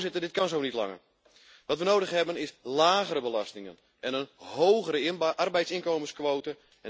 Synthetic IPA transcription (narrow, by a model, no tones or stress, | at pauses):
zɪtədɪt̚kɑnzownitlɑ̰ŋə̰r | ʋɔtʋənowdəxɦɛbənɪslaːɣəɾəbəlɑstɪŋə̰n | ɛnənhowɣəɾəʔɑrbɛjtsɪnkowməskʋowtə | ɛ